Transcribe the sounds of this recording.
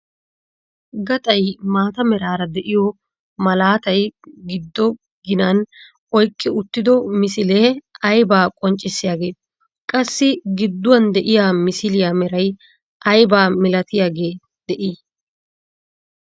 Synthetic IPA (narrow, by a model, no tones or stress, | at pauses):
ɡɐt̪ʼɐjmaːt̪ɐmɛɾaːɾɐd̪ɛʔɪjɔ | mɐlaːt̪ɐjɡɪd̪ːɔ | ɡɪnɐn | ɔjkʼːɪʊt̪ːɪd̪ɔmɪsɪleːɐjbaːkʼɔnt͡ʃʼːɪsːɪjaːɡe̞ːt̪ | kʼɐsːɪɡɪd̪ːʊwɐnd̪ɛʔɪjaːmɪsɪlɪjaːmɛɾɐj | ʔɐjbaːmɪlɐt̪ɪjaːɡe̞ː | d̪̥ɛʔiː